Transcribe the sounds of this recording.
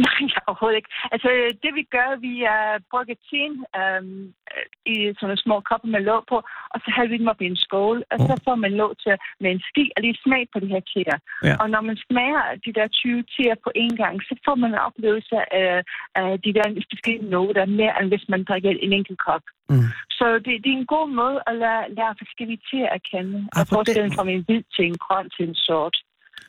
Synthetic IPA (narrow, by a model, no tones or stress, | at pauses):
nɑ̈ɪ̰ɒʊɐho̝ːð̩ˠeɡ̥ælsəd̥e̝ʋiɡ̥ɶɐʋib̥ʁɔɡ̥ɐt͡sʰenø | isɒ̽nəsmɔ̰ːkʰɒ̽b̥ɐmelɔʊpʰɒ̽ʔɒ̽sɒ̽ɦæðˠʋid̥emɒb̥iensɡ̥ɔːlʔɒsɒ̽fɒ̰ːmænlɔ̰ːt͡sʰemeensɡ̥ḭːɒliːsmɛ̰ɪ̥pʰɒ̽d̥ihɛɐ̰t͡sʰe̝ːɐʔɒ̽nɒmænsmɛɪɐd̥id̥ɛɐt͡sʰyːʊət͡sʰe̝̰ːɐpʰɒ̽ʔe̝nɡ̥ɑ̈ŋ̰sɒ̽fɒ̰ːmænenɒ̽b̥le̝̰ːʊl̩ˠsɐʔæ | d̥id̥æɐ̰sb̥e̝sɡ̥el̰inɔːd̥ɑɐme̝ɐʔenʋe̝smænd̥ʁaɡ̥ɐʔe̝neŋ̰ɡ̥l̩kʰɒɡ̥sɒ̽d̥e̝d̥e̝enɡ̥o̝̰ːmɔ̽ːð̞ˠʔælælæːfæsɡ̥elit͡sʰe̝̰ːɐækʰenəɒfɒːsɡ̥el̰̩fɑmenʋið̰ˠt͡sʰe̝lenɡ̥ʰʁɒn̰t͡sʰe̝nsɔːd̥